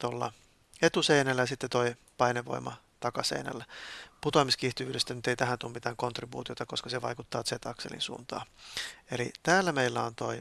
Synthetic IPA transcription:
t̪olːɑ̰ | et̪useinælːæjɑsit̪ːet̪oi | pɑineʋo̰imɑ̰ | t̪ɑkɑsḛinæ̰lːæput̪omiskiht̪iʋyːɾest̪ænyt̪eit̪æhænt̪uːmmit̪æːŋkont̪ribṵːt̪iot̪ɑkoskɑseʋɑ̰ikut̪ːɑːt̪set̪ɑkselḭnsṵːnt̪ɑ̰ːelḭt̪æːlːæmeilːæont̪oi

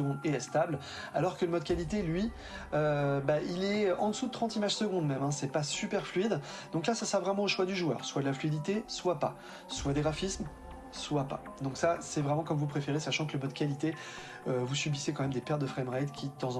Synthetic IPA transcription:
ɡɔ̃d̪eɛst̪abl | a̰lɔʁkələmɔd̪̚kʲalit̪elɥi | øbailɛʔɑ̃d̪əsud̪ət̪χɑ̃t̪imaʒ̥səɡɔ̃d̪mɛmɛ̃sɛpasypɛʁflyid̪d̪ɔ̃klasasʁavʁɛmɑ̃oʃwad̪yʒuœ̰ːʁswad̪əlaflyid̪it̪eswapa | swad̪eʁafism | swapa̰d̪ɔ̃ksasɛvʁɛmɑ̃kɔmvupχefeʁesaʃɑ̃kələmɔd̪kʲalit̪e | øvusɥybisekɑ̃mɛmd̪epɛʁt̪d̪əfχɛmʁajd̪kʲʰid̪ət̪ɑ̃zɑ̃

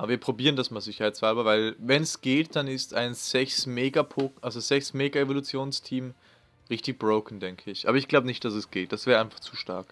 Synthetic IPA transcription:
ʔaːbɐviːɐpʁ̥obiːʁəndasmaːlzɪçɐhaɪtt͡saːlbɐvaɪlvɛnɛsɡ̥eːt̚d̥anɪsta̰ɪnz̥ɛçsmeːɡapoʔalzoz̥ɛçsmeːɡaevolut͡sjoːnstʰiːm | ʁɪçtɪçb̥ʁoʊkn̩dɛŋkʰəɪçʔa̰ːbɐɪçɡ̥laʊbənɪçt̚d̥asɛsɡ̥eːt̚d̥asv̥ɛːʁaɪnfaχt͡suːʃta̰ɐk

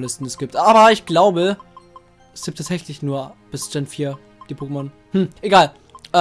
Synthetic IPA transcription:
lɪstn̩ɛsɡ̥iːp̚tʔaːbɐɪçɡ̥laʊbə | ɛsɡ̥iːptʰːaːtzɛçlɪçnuːɐb̥ɪsd͡ʒ̥ɛnfiːɐ | d̥iːpʰoːkəmɔn | hm̩ʔeɡaːl | ʔ

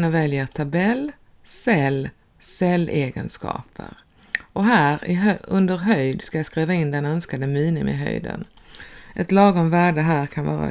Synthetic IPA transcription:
navɛljəʈ̪ʰabɛlː | sɛlː | sɛlːeːɡə̰nskɑ̰ːpʰə̰ɾ | ʔɔɦæːɾɪɦœɵnd̪əɾɦœjd̪skajaskɾiːvaɪnd̪ɛnœnskad̪əmiːnɪmɪ̰ɦœ̰jd̪ə̰nʔɛt̪lɑːɡɔmvæːɖəɦæːɾkʰanvɑ̰ːɾa̰

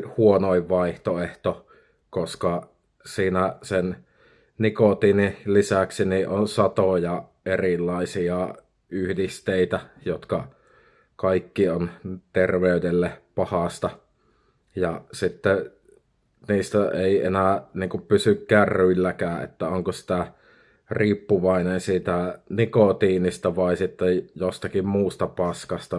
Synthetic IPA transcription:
huonoˑiʋʋɑˑiht̪oeht̪o | koskɑ | siːnæsen | nikot̪inilisæksiniʔonsɑt̪ojɑʔerilːɑˑisiɑ | yhdist̪eˑit̪æjot̪kɑ | kɑikːiont̪erʋeˑydelːepɑhɑst̪ɑ | jɑsit̪ːe | niːst̪æeˑiḛnæˑniːŋkuppysykːæːrryilːækæːʔḛt̪ːæoŋkosi̥t̪æ | riːpːuʋɑˑinensiːt̪ænikot̪iːnist̪æʋɑˑisit̪ːejost̪ɑkimmuːst̪ɑpɑskɑst̪ɑ

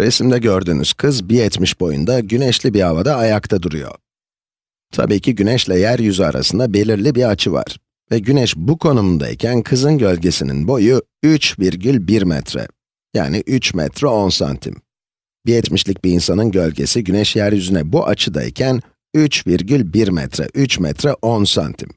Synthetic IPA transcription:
ɾesimd̪ɛɟøɾd̪yːnyz̥kʰɯzbijɛt̪miʃbo̞jṵnd̪aɟynɛʃlʲibiavad̪aːjakt̪ʰad̪uɾujo̞̰ | t̪ʰa̰biːcʰiɟynɛʃlʲɛjæɾjyzya̰ɾa̰sɯnd̪abe̞lʲiɾlʲibiat͡ʃʰɯva̰ɾ̥ | vɛɟynɛʃbukʰo̞numund̪a̰ḭcʰænkʰɯzɯnɟø̞lʲɟe̞sinḭnbo̞ju | yt͡ʃviɾɟylʲbiɾmɛ̰t̪ɾɛ̰ | ja̰ːniʔyt͡ʃmɛ̰t̪ʰɾɛo̞nsa̰nt̪ʰḭm | bijɛt̪miʃlʲic̚biinsanɯnɟø̞lʲɟe̞̰siɟynɛʃjæɾjyzynɛbuʔat͡ʃʰɯd̪a̰ḭcʰæn | yt͡ʃviɾɟylʲbiɾmɛ̰t̪ʰɾɛ̰ʔyt͡ʃmɛ̰t̪ɾɛʔo̞nsa̰nt̪ʰim

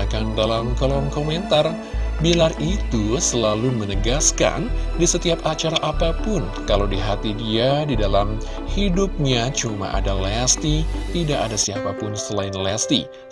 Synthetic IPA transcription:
akandalamkalɔnkoment̪ar | bilarit̪usəlalumənəɡaska̰ndisət̪iapat͡ʃaɾaʔapapʊn | kalawdiɦat̪idiadidalam | hidup̚ɲat͡ʃuma̰ʔa̰dalɛst̪it̪idaʔadasiapapʊnsəlaɪnlɛst̪ḭ

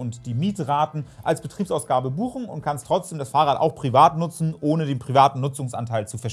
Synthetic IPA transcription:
ʊntd̥iːmiːtʁaːtn̩ʔalsb̥ətʁ̥iːpsʔaʊsɡ̥aːbəbuːxn̩ʊ̰ntkʰanstʁ̥ɔt͡sd̥eːmdasfaːʁaːtʔa̰ʊxpʁ̥ivaːtnʊt͡sn̩ʔoːnədeːnpʁ̥ivaːtn̩nːʊt͡sʊŋsʔa̰ntʰaɪlt͡sufɛɐ

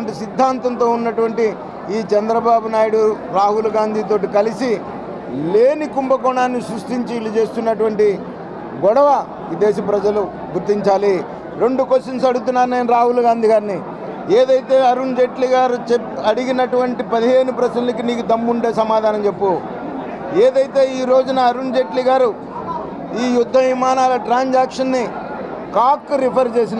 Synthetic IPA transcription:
ɳʈisid̪ʱːaːnt̪ɐnt̪o̞ːunːɐʈuʋɐɳʈi | iːt͡ʃɛnd̪ɾɐbaːbunaːjuɽuɾaːɦulɡaːnd̪ʱit̪o̞ːʈikɐlisi | le̞ːnikumbɐkɔɳaːnːisɾuʂʈiɲt͡ʃiːlut͡ʃe̞ːst̪unːɐʈuʋɐɳʈi | ɡɔɽɐʋɐ | ʋid̪ɛːsɐpɾɐd͡ʒɐlu | ɡuɾt̪ːiɲt͡ʃaːli | ɾe̞ɳɖukosɐnsɐɽut̪̬unːaːɾuneːnɾaːɦulɡaːnd̪ʱiɡaːɾni | eːd̪ɐjt̪e̞ːɐɾund͡ʒe̞ʈliɡaːɾut͡ʃe | ɐɽiɡinɐʈuʋɐɳʈipɐd̪iɦe̞ːnupɾɐsɐlnikiniːkud̪ɐmːuɳɖe̞ːsɐmaːd̪ʱaːnɐmt͡ʃe̞pːu | eːd̪ɐjt̪e̞ːiːɾo̞ːd͡ʒunɐːɾund͡ʒeʈliɡaːɾu | iːjud̪ʱːɐʋimaːnaːlɐʈɾaːɲd͡ʒaːkʂɐnːi | kaːkːuɾipʰɐɾt͡ʃe̞ːs̬in

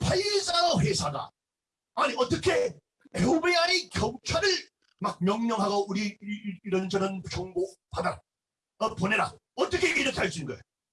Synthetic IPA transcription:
pʰajs͈aɾʌɸwesʰaɡa̰ | aniʌt͈ʌkʰe | eobeaikjʌŋt͡ɕʰaɾɯɭ | mak̚mjʌŋɲʌŋɦaɡouɾiiɾʌnd͡ʑʌnɯnt͡ɕʌŋɡohada | ʌponeɾa̰ | ʌt͈ʌkʰeiɡeiɾʌkʰeɦaɭs͈uinɡʌe

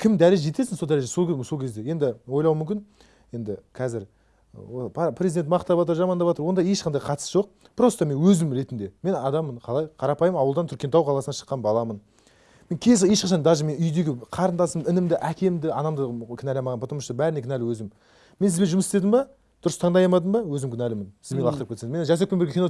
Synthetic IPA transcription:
kʲʰɪmd̪æɾelʒe̞t̪e̞sɪnsod̪æɾeʒso̞lkʲso̞lkʲʰe̞zd̪e̞je̞nd̪ɪwo̞jlˠɑwmʏmkʲɪn | je̞nd̪ɪkʲʰæzɪɾ | opʰɑpʰrezid̪ent̪mɑqt̪ɑpɑt̪əɾʒɑmɑnd̪ɑpɑt̪əɾwo̞nd̪ɑje̞ʃqɑnd̪ɑjqʰɑt̪ə̥sʒo̞q̚ | b̥ɪɾo̞st̪ɑme̞nwɵzɪmɾe̞t̪ɪnd̪e̞me̞nɑd̪ɑmənqʰɑlˠɑjqʰɑɾɑpɑjəmɑwəlˠd̪ɑnt̪ʰʏɾkʲe̞nɑwqʰɑlˠɑsnɑʃə̥qːɑnbɑlˠɑmən | me̞ŋkʲʰe̞zjeʃqɑʃɑnd̪ɑʒəme̞nʏjd̪e̞ɡʲɪqʰɑɾənd̪ɑsəmənɪnɪmd̪ɪʔækʲe̞md̪ɪɑnɑmd̪əkʲʰɪnælʲemɑʁɑnpʰot̪əɾməʃəəbæɾɪnekʰʲɪnælɪwɵzɪm | mens̬ɪzbe̞nʒʊməsst̪e̞d̪ɪmbɑ | d̪̥ʊɾəst̪ʰɑɴd̪ɑjɑmɑd̪əmbɑwɵzɪmkʲʰɪnælɪmɪnsɪzmeɑqt̪əɾəpkʲeseŋzmenʒæsek̚pembeɾɡʲekʰʲino

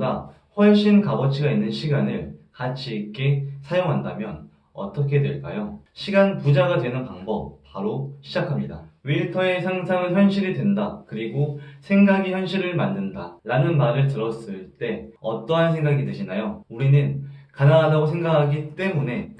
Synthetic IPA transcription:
ɡa | ɸwʌɭɕ͈ʰinkabʌt͡ɕʰiɡainːɯnɕʰiɡanɯɭkat͡ɕʰiːk͈e̞sʰajoŋɦandamjʌn | ʌ̰t͈ʌkʰe̞dwe̞ɭk͈a̰joɕʰiɡanpud͡ʑaɡadwe̞nɯnpaŋbʌp͈̚ːaɾoɕʰid͡ʑakʰamɲida̰ɥiɭtʰʌe̞sʰaŋsʰaŋɯnçjʌnɕʰiɾidwe̞ndakɯɾiɡosʰe̞ŋɡaɡiçjʌnɕʰiɾɯɭmanːɯndaɾanɯnmaɾɯɭtɯɾʌs͈ɯɭt͈e̞ʌt͈ʌɦans̬ʰe̞ŋɡaɡidweɕʰinajouɾinɯnkanaŋadaɡosʰe̞ŋɡakʰaɡit͈e̞mune̞

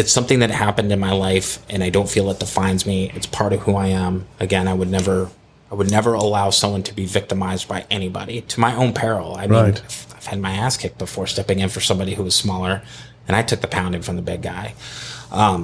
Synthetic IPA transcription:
ɨtsʌ̃mθɪ̃ŋðɨt̚hæpɨ̃ndɨ̃nmaɪlaɪfʔɨ̃ñaɪdõʊ̃ntfilˠðəɪt̚ðətfãɪ̃ndzmiɨ̰tspʰɑɹɾʌv̥huaɪə̃mɨɡɛ̃naɪwɨdⁿnɛvə˞ | aɪwədⁿnɛvə˞əlaʊsʌ̃mwʌ̃ntʰəbivɪk̚tɨmaɪzbaɪʔɛñibɑ̰ɾiɾʰəmaɪʔõʊ̃npʰɛɹl̩ˠaɪmĩnaɪv̥ɨd̚maɪæskʰɪk̚b̥əfɔɹstɛpɪ̃ŋɨ̃nfə˞sʌ̃mbɑɾihuʌz̥smɔlˠə˞ | ɨ̃ɾ̃aɪtʰʊk̚ðɨpʰãʊ̃ndɪ̃ŋfɹʌ̃mðəbɪɡ̚aɪʔʌ̃m

